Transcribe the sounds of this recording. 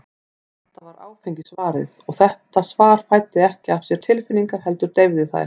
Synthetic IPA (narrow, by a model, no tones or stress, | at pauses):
ɛtht̪avaɾa̰ːwfejɲcɪsvaːɾɪ̰ðɔɣθɛht̪asvaːɾ̥fajt̪ːɪɛhcɪafsjɛɾ̥t̪ʰɪlfɪnːiŋkaɾ̥hɛlt̪ʏɾ̥t̪ejvðɪθa̰jɾ̥